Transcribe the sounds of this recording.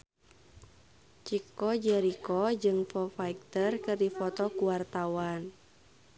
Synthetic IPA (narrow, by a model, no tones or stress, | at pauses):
t͡ʃikɔd͡ʒɛɾikɔd͡ʒɨŋfɔfaik̚t̪ərkɨrdifɔt̪ɔkuwart̪awan